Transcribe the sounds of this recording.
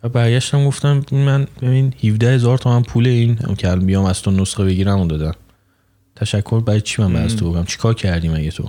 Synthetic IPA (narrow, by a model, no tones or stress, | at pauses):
væbæɾɟæʃt̪æmɡo̞ft̪æminmænjeminhivd̪æhe̞zɒːɾt̪ʰomænpʰuːleĩːn̰cʰeælbijɒːmæzt̪ʰonosχebe̞ɟiːɾæmund̪ɒːd̪æm | t̪ʰæʃækʰːoɾbæɛd̪t͡ʃʰimænbæɾæst̪ʰobokʰnæmt͡ʃʰi̥kʰɒːɾcʰæɾd̪iːmænɟet̪ʰo̰